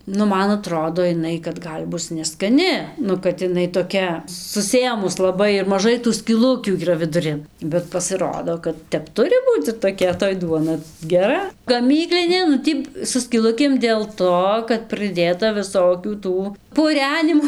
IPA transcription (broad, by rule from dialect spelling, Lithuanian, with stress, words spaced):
nʊ ˈmɐn ɐˈtroːdoː ɪˈnɐɪ kɐt ˈɡɐlʲ ˈbʊs nʲɛskɐˈnʲɪ ˈnʊ kɐt ɪˈnɐɪ toːˈkʲɛ sʊˈsʲeːmʊs lˠɐˈbɐɪ ɪr mɐˈʒɐɪ tuː sʲkʲiːˈlˠʊkʲuː iːˈrɐ ʋʲɪdʊˈrʲɪn bʲɛt pɐsʲɪˈroːdoː kɐt ˈtʲɛp ˈtʊrʲɪ ˈbuːt͡s ɪr toːˈkʲɛ toːj ˈduɔnɐ ɡʲɛˈrɐ ɡɐˈmʲiːklʲɪnʲeː nʊ ˈtʲiː sʊ sʲkʲiːˈlˠʊkʲeːm dʲeːlˠ ˈtoː kɐt prɨˈdʲeːtɐ ʋʲɪˈsoːkʲuː ˈtuː pʊˈrʲæːnʲɪmoː